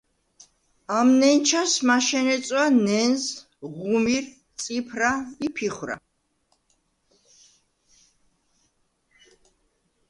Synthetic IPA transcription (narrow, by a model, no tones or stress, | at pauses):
amnɛnt͡ʃʰasmaʃɛnɛt̪sʼwanɛnz | ʁumiɾ | t̪sʼipʰɾaipʰiχwɾa̰